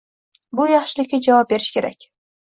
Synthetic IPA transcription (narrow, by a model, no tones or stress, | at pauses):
bʊjɑχʃɪlɪkʲːad͡ʒavɑp̚be̞ɾɪʃkʲʰe̞ɾa̰kʲ